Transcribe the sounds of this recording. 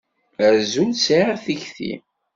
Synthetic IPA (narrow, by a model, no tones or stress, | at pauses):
əɾzunsaθiçθḭ